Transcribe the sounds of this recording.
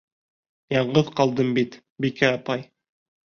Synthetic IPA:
jɑɴɢɤðqɑlˠd̪ɤmbit̪ | bikæɑpɑj

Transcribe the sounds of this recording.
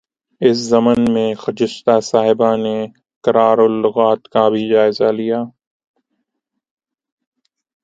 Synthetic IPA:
ɪs̬zɐmənmẽxɐd͡ʒɪʃt̪asaːɦɪbane | kɐɾaːɾolːʊɣaːt̪kabʱid͡ʒaːɪzalijaː

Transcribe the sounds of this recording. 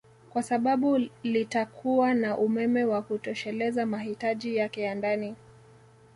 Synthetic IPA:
kwasaɓaɓulitakʰuwanaʔumɛmɛwakutɔʃɛlɛzamaɦitaʄijakɛjandani

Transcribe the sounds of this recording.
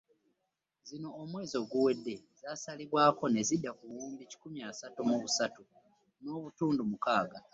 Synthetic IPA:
zino̞ːmwe̞ːzo̞ːɡuwe̞dːe̞zasaliβwaːko̞ne̞zidːakuwuːmbici̥kumiaːsatumuβusatu | no̞ːβutuːndumukaːɡa

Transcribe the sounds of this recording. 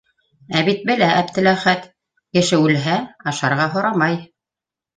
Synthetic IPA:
æβit̪̚bɘ̆læʔæpt̪ɘ̆læχæt̪ | kɘ̆ʃɘʉlɦæɑʃɑɾʁɑɦŏɾɑmɑj

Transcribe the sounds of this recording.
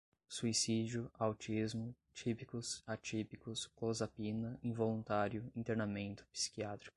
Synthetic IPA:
suisid͡ʒʊawt͡ʃizmʊ | t͡ʃipikʊsat͡ʃipikʊsklozapinɐĩvolũnt̪aɾjʊĩnt̪eɾnamẽnt̪ʊ̥pi̥si̥kiat̪ɾi̥kʊ̥

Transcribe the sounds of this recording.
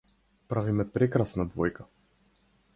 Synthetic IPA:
pɾavimɛpɾɛkɾasnad̪vɔjka

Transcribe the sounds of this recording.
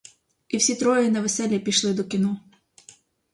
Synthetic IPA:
iwsʲit̪ɾɔjɪnɐʋesɛlʲːɐpʲiʃlˠɪd̪ɔkʲinɔ

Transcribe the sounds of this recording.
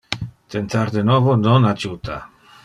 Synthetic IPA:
t̪ent̪aɾd̪enɔvononad͡ʒut̪a

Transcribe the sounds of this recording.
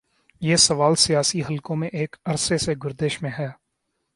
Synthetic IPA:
jeːsɐʋaːlsijaːsiɦɐlkõmẽʔeːkɐɾseseɡʊɾd̪eːʃmẽɦɛː

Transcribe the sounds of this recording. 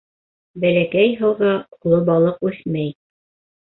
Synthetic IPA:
bælækæjɦɤ̆wʁɤulˠɤbɑlˠɤqʉθmæj

